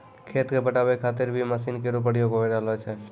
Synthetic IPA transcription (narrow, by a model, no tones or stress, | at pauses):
kʰet̪kebəʈabɛkʰat̪̬iɾbʱiməsinkeɾup̬əɽjoɡɦojɾalɦɔjt͡ʃʰɛ